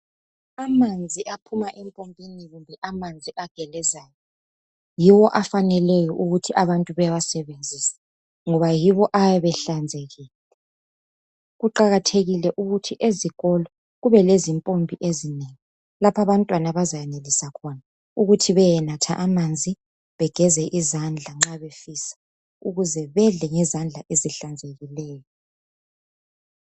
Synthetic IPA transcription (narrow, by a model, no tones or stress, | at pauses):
amand͡zʱiʔapʰumaʔɛmpʼombʱʼiniɣumbʱɛʔamand͡zʱiʔaɡ̥ʱɛlɛzaːjɔ | jiwɔʔafanɛlɛjɔʔuɣutʰiʔaβantʼuβɛjawasɛβend͡zʱiːsḁ | ŋɔβajiβɔʔajɛβɛɬand͡zʱeɣiːl | ɛ | ɣuǃaɣatʰeɣilɛʔuɣutʰiʔeziɣɔlɔ | ɣuβɛlezimpʼombʱiʔezineŋi | lapʰaβantʼwanaβazajɛnelisakʰɔna | uɣutʰiβɛjɛnatʰa̰ʔamand͡zʱi | βɛɡ̥ʱɛzɛʔizand͡ɮʱaŋ͡ǁaβefisḁ | uɣuzɛβɛɮɛŋɛzand͡ɮʱaʔeziɬand͡zʱeɣilɛːjɔ